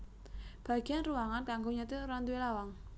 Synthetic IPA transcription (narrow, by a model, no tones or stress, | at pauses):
b̥a̤ɡ̥i̤janruwaŋankaŋɡoɲat̪eɾant̪uwelawaŋ